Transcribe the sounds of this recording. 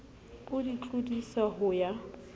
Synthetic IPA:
ʊdit͡ɬʼʊdisaɦʊja

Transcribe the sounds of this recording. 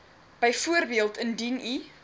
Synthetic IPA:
b̥əjfuərbiəlˠtəndini

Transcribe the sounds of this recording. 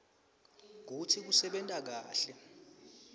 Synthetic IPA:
k̬utʰik̬usɛɓɛntʼak̬aːɬɛ

